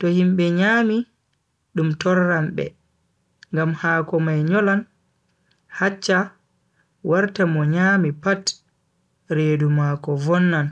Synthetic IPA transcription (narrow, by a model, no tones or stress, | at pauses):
tɔhimɓɛɲaːmi | ɗumtɔrːamɓɛ̰ | ŋɡamhaːkɔmajɲɔlan | hat͡ʃːa | waɾtamɔɲaːmipat | ɾeːdumakɔvɔnːan